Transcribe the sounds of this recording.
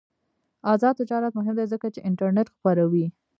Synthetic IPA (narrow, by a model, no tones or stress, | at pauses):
ɑzɑd̪̚t̪d͡ʒɑɾat̪mʊɦɪmd̪ezəkat͡ʃeʔɪɳʈaɾneʈxpaɾawi